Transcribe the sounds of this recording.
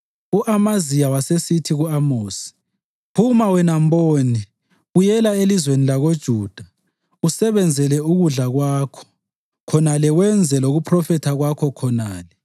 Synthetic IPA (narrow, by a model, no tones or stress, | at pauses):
uʔamazijawasesitʰiɣuamoːsi̥ | pʰumawɛnamboːni | ɣujɛlaelizwenilaɣod̥ʒ̥ʱuːd̥ʱa | usɛβɛnd͡zʱɛlɛuɣuɮaɣwaːkʰɔ̥ | kʰɔnalɛwɛnd͡zʱɛloɣupʰrɔfɛtʰaɣwakʰɔkʰɔnaːlɛ